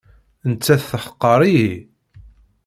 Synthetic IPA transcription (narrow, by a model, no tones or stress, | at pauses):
nt͡sːæθθəħə̥qːɑɾˤii